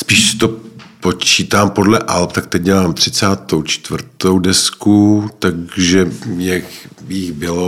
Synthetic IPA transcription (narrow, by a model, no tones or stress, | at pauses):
spiːʃsɪ̥t̪o̞po̞t͡ʃiːt̪aːmpo̞dlɛʔalp̚t̪ak̚t̪ɛc̚ɟɛlaːmt̪r̝̥ɪt͡saːt̪owt͡ʃt̪vr̩t̪owdɛskut̪aɡʒɛmɲɛxjɪɣbɪlo